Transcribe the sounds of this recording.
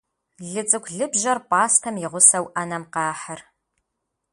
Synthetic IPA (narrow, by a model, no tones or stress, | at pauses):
ɮɨt͡sʼɨkʷʰɮɨbʒɐrpʼaːstʰɐmjɪʁʷʊsɐwʔɐnɐmqɑːħər